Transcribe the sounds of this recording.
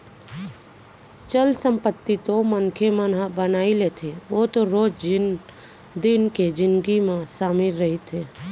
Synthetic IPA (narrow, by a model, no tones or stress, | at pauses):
t͡ʃəlsəmpət̪ːit̪omənkʰemənɦabənaːilet̪ʰeot̪oɾoːd͡ʒ | d̪ɪnked͡ʒɪnɡimẽsaːmɪlɾəɦit̪ʰeː